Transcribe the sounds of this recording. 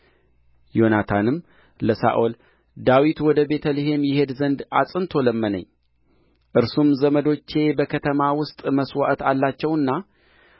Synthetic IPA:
jo̞nat̪ʰanɨm | ləsa̰ʔol | d̪awit̪wɔd̪əbe̞t̪ʰəleɦe̞mjɪhe̞d̪zənd̪asʼɨnt̪ʰo̞ləmːənə̰ɲː | ʔɨɾsumzəməd̪o̞t͡ʃːe̞bəkʰət̪ʰəmawʊst̪ʼməswa̰ʔt̪alːat͡ʃːɛwɨnːa

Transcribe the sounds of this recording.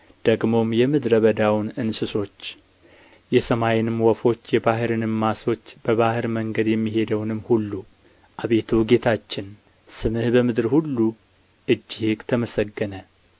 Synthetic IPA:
d̪̥əɡmo̞mjɛmɨd̪ɾəβəd̪awnɨnsɨso̞t͡ʃː | jɛsəmajɪnɨmːwɔfo̞t͡ʃːjɛbaɦɨɾɨnɨmːaso̞t͡ʃːb̥əβahɨɾməŋɡəd̪jɛmːiɦe̞d̪əwnɨmːhulːu | ʔaβe̞t̪ʰuɡe̞t̪ʰat͡ʃːɪn | sɨmɨhbəmɨd̪ɨɾhulːu | ʔɨd͡ʒːihɨɡt̪ʰəməsəɡːənə

